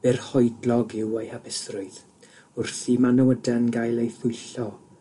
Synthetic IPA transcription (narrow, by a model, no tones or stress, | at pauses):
b̥ɪrhɔɨjdlˠɔɡɪwejhabɪsrʊɨð | ʊrθimanəwədɛnɡajlˠejθʊjɬɔ